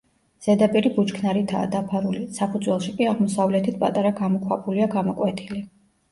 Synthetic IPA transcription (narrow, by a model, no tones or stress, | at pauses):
z̥ɛd̪apʼiɾibut͡ʃkʰnaɾit̪ʰa̰ːd̪apʰaɾulisapʰud̪zwɛlˠʃikʼiaʁmɔsavlɛt̪ʰit̪̚ʰpʼa̰t̪ʼaɾaɡamɔkʰwapʰuliaɡamɔkʼwɛt̪ʰili